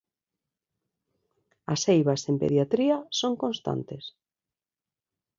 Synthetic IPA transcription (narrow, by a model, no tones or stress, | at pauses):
asejβasempḛðjat̪ɾiasoŋkõnst̪a̰nt̪es